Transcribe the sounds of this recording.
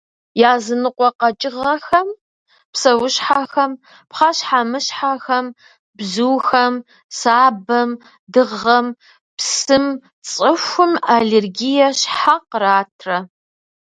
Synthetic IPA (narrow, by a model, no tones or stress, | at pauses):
jaːzɨnɨqʷɔqɐt͡ʃʼɪʁɐxɐm | psɐwʊɕħaxɐm | pχɑɕħamɨɕħaxɐm | bzuːxɐm | saːbɐm | dɨʁɐm | psɨm | t͡sʼɨxʷʊmaɮerɡijɐɕħaqəraːtʰrɐ